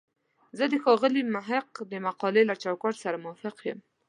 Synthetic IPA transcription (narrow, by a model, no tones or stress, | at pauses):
zəd̪əxɑɣɪlimaɦɪqd̪əmaqɑlelat͡ʃawkɑʈsaɾamʊwɑfɪqjəm